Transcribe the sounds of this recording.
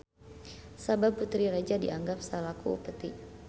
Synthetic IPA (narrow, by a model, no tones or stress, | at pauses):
sabab̚put̪ɾiɾad͡ʒadḭaŋɡap̚salakuṵpət̪i